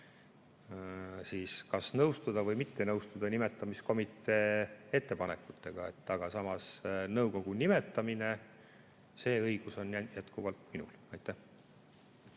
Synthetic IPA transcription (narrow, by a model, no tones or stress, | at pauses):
siːskɑsnɤwst̪ud̪̥ɑvɤjmit̪ːe̞nɤwst̪ud̪̥ɑnime̞t̪ːˑɑmisko̞mit̪ːˑe̞ːe̞t̪ːe̞pɑne̞kːˑut̪ːˑe̞ɡ̥ɑe̞t̪ːɑɡ̥ɑsɑmɑsnɤwko̞ɡ̥unime̞t̪ːˑɑmine | se̞ːɤjɡ̥uso̞njjæt̪kuvɑlt̪minṵlɑjt̪ːˑæh